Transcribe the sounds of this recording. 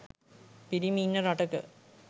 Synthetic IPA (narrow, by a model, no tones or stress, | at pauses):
piɾimiːnːɐɾɐʈɐkːɨ̰